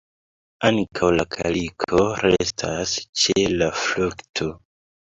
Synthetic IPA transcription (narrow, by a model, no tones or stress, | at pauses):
aŋkʰawlakʰa̰likʰo̞ɾestʰast͡ʃelafluktʰo